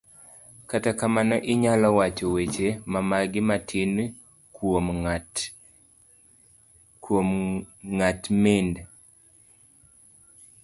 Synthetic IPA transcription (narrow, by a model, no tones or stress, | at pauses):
katakamanɔʔɪɲalɔwat͡ʃɔwet͡ʃemamaɡɪmatʰin | kom | kwomŋatmend